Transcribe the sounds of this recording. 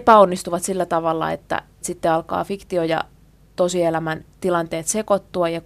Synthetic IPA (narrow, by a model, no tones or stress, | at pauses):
pæonːist̪uʋɑt̪silːæt̪ɑʋɑlːɑ̰ḛt̪ːæ̰ | sit̪ːeɑlkɑ̰ːfikt̪iojɑ̰ | t̪osielæmænt̪ilɑnt̪eːt̪sekot̪ːuɑjɑ